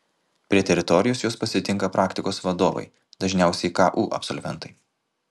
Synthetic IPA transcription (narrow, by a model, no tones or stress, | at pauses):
pʲɾʲiɛt̪ʲɛɾʲɪt̪ɔɾʲɪjoːsjoːspɐsʲɪt̪ʲɪŋˑkɐpɾʔɑːkt̪ʲɪkoːsʋɐd̪oːʋɐ̰ɪ | d̪ɐʒʲnʲæˑʊsʲɛɪkɑːʔuːʔɐ̰psɔlʲʋʲɛ̰nˑt̪ɐɪ